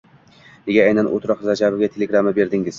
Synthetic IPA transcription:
ne̞ɡʲaajnanʔo̰t̪ʰɾɒqzad͡ʒabɪɡʲat̪ʰeleɡɾamɪbe̞ɾd̪ɪŋɪz̥

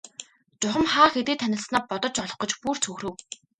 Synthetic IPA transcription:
t͡sʊχə̆mχaːxet̪eːt̪ʰːænʲɪ̆ɮsnaːpɔt̪ɞ̆t͡ɕɔɮɞ̆χɢɞ̆t͡ɕpur̥t͡sʰɵxrɘ̆w

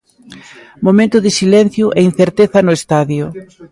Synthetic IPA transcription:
momẽnt̪ʊðɪsilɛn̟θjʊʔɛin̟θeɾt̪eθɐnʊest̪aðjʊ

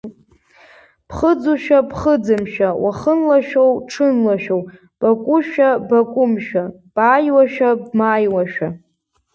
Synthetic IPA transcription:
pʰχəd͡zuʃᶣapχəd͡zɨmʃᶣawʔaχənlaʃᶣowʈ͡ʂʰɨnlaʃᶣow | b̥akʷʼʊʃᶣabakʷʼʊmʃᶣa | b̥ʼaːjwaʃᶣabmaːjwaʃᶣa

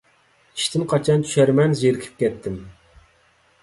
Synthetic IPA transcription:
i̥ʃt̪ʰɪmqʰɑt͡ʃʰɑnt̪ʰy̥ʃæɾmɛnzeɾɪkʲʰi̥p̚kʲɛt̪ʰːɪm

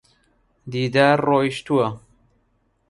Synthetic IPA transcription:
d̪iːd̪aːɾroːiʃt̪uɐ

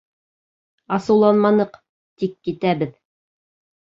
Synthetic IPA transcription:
ɑsɤ̆wlˠɑnmɑnɤq | t̪ikːit̪æβɘð

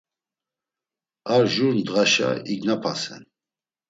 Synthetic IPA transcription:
aɾʒuɾnd̪ʁaʃa̰iɡnapʰasɛ̰n

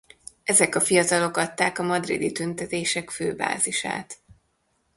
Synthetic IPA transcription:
ɛzɛkɒfijɒt̪ɒlo̞kɒt̪ːaːkɒmɒd̪rḭd̪it̪ynt̪ɛt̪eːʃɛkføːba̰ːziʃa̰ːt̪

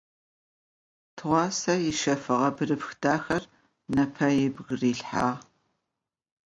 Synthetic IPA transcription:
tʰɨʁʷɑːsɐjɪʃɐfɨʁɐbɨrɨpxdaːxɐr | nɐpʰɐjɪbɣriːɬħa̰ːʁ

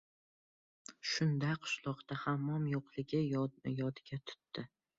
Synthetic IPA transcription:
ʃʊnd̪aqʰʊ̥ʃlˠɒqt̪ahamːɒmjoqlˠɪɡʲɪjɒd̪ɪɡʲat̪ʰʊ̥t̪ːɪ

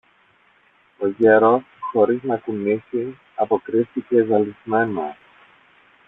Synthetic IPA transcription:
o̞ʝeɾo̞sxo̞ɾiznɐkunisi | ɐpo̞kɾisθice̞ɣɐlizme̞nɐ̰

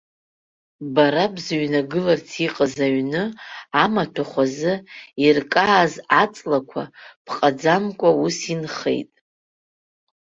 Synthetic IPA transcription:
baɾabzɥnaɡɨlart͡sʰiqʼazaɥnɨamatʰaχʷazɨirkʼaːzat͡sʼlakʷʰapʰqʼad͡zamkʷʼausinχḛjtʼ

